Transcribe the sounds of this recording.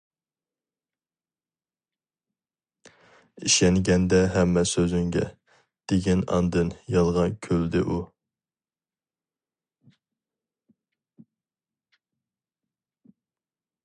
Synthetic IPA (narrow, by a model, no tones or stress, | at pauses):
iʃɛnɡʲɛnd̪ɛɦɛmːɛsøzyŋɡʲɛ̰ | d̪̥eɡʲɛnɑ̰nd̪ɨnjɑlˠʁɑkʲʰøld̪ɪʔu